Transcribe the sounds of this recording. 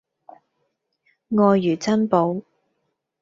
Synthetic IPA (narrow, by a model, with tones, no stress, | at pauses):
ŋɔː˧jːyː˨˩t͡sɐ˥npo˨˧w